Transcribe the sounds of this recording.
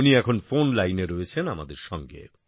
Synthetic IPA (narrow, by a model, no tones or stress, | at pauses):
niɛkʰonfonlajneɾoet͡ɕʰenamad̪eɾʃɔŋɡḛ